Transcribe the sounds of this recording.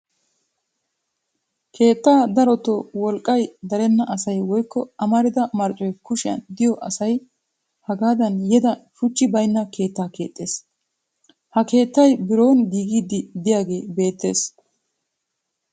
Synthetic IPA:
kʰe̞ːt̪ːaːd̪ɐɾɔt̪ːɔwɔlkʼːɐjd̪ɐɾɛnːɐʔɐsɐjwɔjkːɔɐmɐɾɪd̪ɐmɐɾt͡ʃʼɔjkʊʃɪɐ̰nd̪ɪjɔʔɐsɐj | hɐɡaːd̪ɐnjɛd̪ɐʃʊt͡ʃːɪbɐjnːɐkʰe̞ːt̪ːaːke̞ːt̪ʼːe̞ːs | hɐke̞ːt̪ːɐjbɪɾo̞ːnɡiːɡiːd̪ɪd̪ɪjaːɡe̞ːbe̞ːt̪ːe̞̰ːs

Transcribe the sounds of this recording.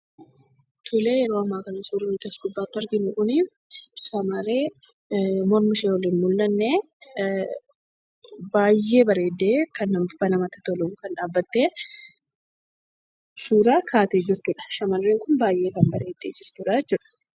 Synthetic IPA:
t̪ʰʊle̞ːjɛɾo̞ːɐmːaːkɐnɐsuːɾɐnɪt̪ɐsɡʊbːaːt̪ːɐɾɡɪnʊkʊni | ʃɐmɐɾeː | mɔɾmɪʃeːɔlɪnmʊlːɐnːeː | baːjːe̞ːbɐɾe̞ːd̪ːe̞ːkɐnːɐmfɐnɐmɐt̪ɐ̥t̪ɔluːŋkɐnᶑaːbːɐt̪ːeː | suːɾaːkʰaːt̪eːd͡ʒɪɾt̪ʊᶑɐ̥ʃɐmɐrːeːŋkʊnbaːjʔe̞ːkɐnbɐɾe̞ːd̪̥ːeːd͡ʒɪɾt̪ʊᶑajɛt͡ʃːʊᶑɐ̥

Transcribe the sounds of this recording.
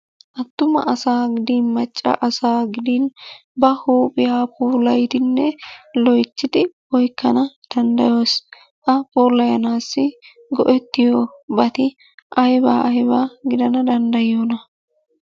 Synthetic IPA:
ʔɐt̪ːʊmɐ̰ʔɐsaːɡɪd̪iːnmɐt͡ʃʼːɐ̰ʔɐsaːɡɪd̪inbɐhuːpʼɪjaːpuːlɐjt̪ɪnːɛlɔjt͡ʃːɪd̪ɪwɔjkːɐnɐd̪̥ɐnd̪ɐ̰jo̞ːs | ʔɐpoːlɐjɐnaːsːɪ | ɡɔ̰ʔɛt̪ːɪjobɐt̪ɪ | ʔɐjba̰ːʔɐjbaːɡɪd̪ɐnɐd̪ɐnd̪ɐjoːnɐ

